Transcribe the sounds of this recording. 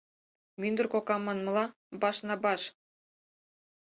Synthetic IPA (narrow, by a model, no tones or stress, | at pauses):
mynd̪ə̆rkokɑmːɑnmɤ̆lɑ | bɑʃnɑbɑʃ